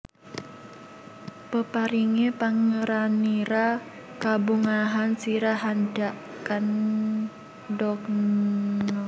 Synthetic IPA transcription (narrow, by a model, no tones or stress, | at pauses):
pəpaɾiŋepaŋəɾaniɾa | kabuŋaɦansiɾaɦandaʔ | kan | dɔk̚ | ɔ